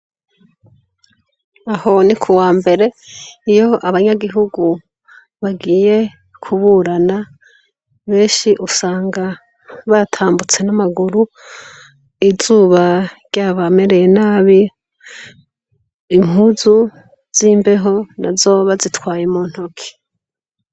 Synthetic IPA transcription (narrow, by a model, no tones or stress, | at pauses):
aho̞nikʰuwaːmbe̞ɾe̞ijo̞ʔaβaɲaɡiɦuɡu | βaɡiːje̞ | kʰuβuɾana | βe̞ːʃiʔusaːŋɡa | βatʰaːmbut͡se̞namaɡuɾu | izuːβaɾɟaːβame̞ɾe̞je̞naːβi | ŋuzu | z̥iːmbe̞ɦo̞na̰zo̞βazitwaːjemuːn̥hokʰi̥